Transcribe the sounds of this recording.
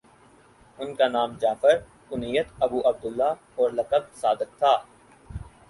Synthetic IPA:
ʊnkanaːmd͡ʒaːfəɾ | ʊnijət̪ɐbuːʔɐb̚d̪ʊlːa | ɔːɾlɐkəb̚saːd̪ɪk̚t̪ʰaː

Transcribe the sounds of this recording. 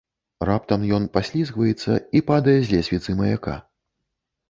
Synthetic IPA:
rap̚t̪ɐmjɔnpasʲlʲizɣvɐjɛt̪sːɐ̰ipad̪ɐjɛzʲlʲɛsʲvʲit̪sɨmɐjaka̰

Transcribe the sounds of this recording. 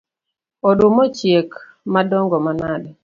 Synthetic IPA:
ɔdumɔt͡ʃjek | madɔŋɡɔmanadɛ

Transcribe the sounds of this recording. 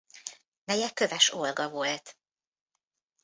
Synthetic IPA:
mɛjɛkø̞vɛʃolɡɒvo̞lt̪

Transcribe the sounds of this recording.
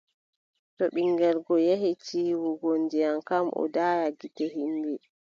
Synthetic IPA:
tɔɓiŋɡɛɾɡɔjeɦit͡ʃiːwuɡondijankamʔɔ̰daːjaɡitɛɦindɛ

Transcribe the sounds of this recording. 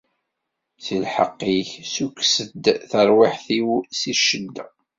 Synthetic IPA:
silħə̰qːiçsukːsəd̪θəɾˤwɪħθiwsiʃəd̪ːæ

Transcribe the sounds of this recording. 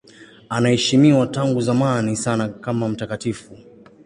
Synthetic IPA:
anahɛʃimiwataŋɡuzamanisanakamam̩takatifu

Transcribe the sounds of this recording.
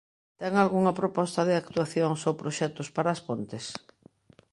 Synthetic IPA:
t̪ɛŋalɣuŋɐpɾopɔst̪ɐðɪak̚t̪uaθjoŋsowpɾoʃɛt̪ʊspaɾɐːspont̪ɪs

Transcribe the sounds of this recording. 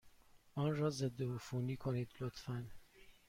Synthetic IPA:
ɒːnrɒːze̞d̪ːeufuːniːkʰoniːd̪lot̪ʰfæn

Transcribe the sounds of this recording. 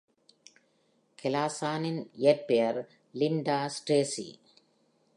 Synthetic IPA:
kʰɛlaːsaːnɪnʔɪjɐɾ̚pejɐɾ | lɪɳɖaːsʈeːsḭ

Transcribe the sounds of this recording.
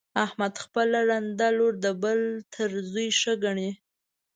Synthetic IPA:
ahmad̪xpəlaɾand̪aloɾd̪əbəlt̪ʰəɾzujʃəɡaɳi

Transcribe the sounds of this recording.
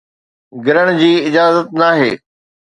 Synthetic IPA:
ɡɪɾəɽ̃d͡ʑiːɪd͡ʑaːzət̪̚naːɦḛː

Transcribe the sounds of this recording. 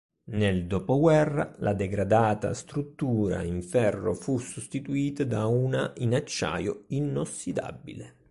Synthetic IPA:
neld̪opoɡwɛrːa̰lʔad̪ɛɡɾad̪aːt̪a̰st̪ɾut̪ːuːɾa̰iɱfɛrːo̰fusust̪it̪uiːt̪ad̪aunaʔinat͡ʃːa̰ːjoinosːid̪a̰bːḭle

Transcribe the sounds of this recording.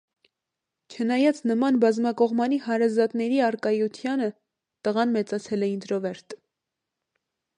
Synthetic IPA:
t͡ʃʰənɑjɑt͡sʰnəmɑnbɑzmɑkɔʁmɑnihɑɾɑzɑt̪nɛɾiɑɾkɑjut̪ʰjɑnə | t̪əʁɑnmɛt͡sɑt͡sʰɛlɛind̪ɾɔvɛɾt̪

